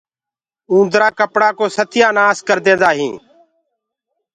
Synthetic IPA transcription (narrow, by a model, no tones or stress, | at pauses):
ũːd̪ɾaːkəpɽaːkoːsət̪ʰɪjaːnaːskəɾd̪ẽːnd̪aːɦĩː